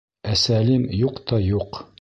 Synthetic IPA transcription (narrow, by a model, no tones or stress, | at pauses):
æsælimjuqt̪ɒjuq